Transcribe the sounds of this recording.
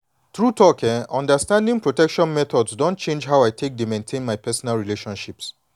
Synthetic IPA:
t̪ɹutʰɔkɛ̃nɔ̃ndəstãndĩŋpɹotɛkʃɔ̃nmɛt̪ɔdsdõntt͡ʃẽnd͡ʒɦawaɪtʰek̚demẽntʰẽnmaɪpɛsɔnalɹileʃɔ̃nʃips

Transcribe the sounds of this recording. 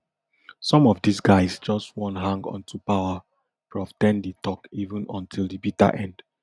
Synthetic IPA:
sɔ̃mɔvdisɡaɪsd͡ʒɔstwɔ̃ntɦãŋɡɔ̰̃ntʰupaʊə | pɹɔftɛ̃nditɔkivə̃nɔ̃ntʰilˠdibita̰ʔɛ̃nd̥

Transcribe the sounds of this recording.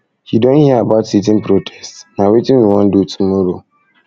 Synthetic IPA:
hidɔ̃nhiabaʊtsit̬ɪ̃npɾotʰɛ̥stnãwitĩwiwɔ̃ndutʰumɔɾo

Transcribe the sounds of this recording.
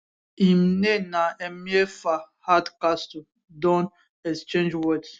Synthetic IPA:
imnenaɛmiefahadkastu | dɔ̃n | ɛst͡ʃẽnd͡ʒwɔd

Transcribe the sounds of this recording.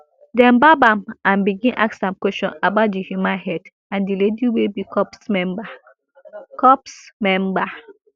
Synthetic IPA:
dɛ̃mbabãmãnbiɡĩnʔa̰ksãmkwɛstɔ̰̃nabaʊt̚dihjumãnhɛd | ãndilediwebikɔpsmɛ̃mba | kɔpsmɛ̃mba

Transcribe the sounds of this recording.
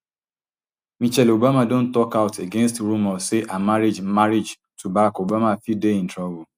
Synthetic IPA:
mit͡ʃɛlobamadõn̩tɔkaʊtʰeɡenstɾumɔseʔamaɾid͡ʒmmaɾid͡ʒ | tʰubaɾakobamafideĩn̩tɹabu

